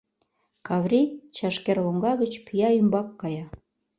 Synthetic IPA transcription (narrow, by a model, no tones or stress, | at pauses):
kɑvrʲit͡ɕɑʃkerloŋɡɑɣət͡ɕpʰyjɑymbɑkːɑjɑ